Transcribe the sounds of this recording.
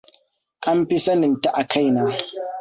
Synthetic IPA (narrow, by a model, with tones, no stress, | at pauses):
ʔa˦mɸi˦sɐ˦nɪ˨nta˦ʔa˨kʰa˦˨jnaː˦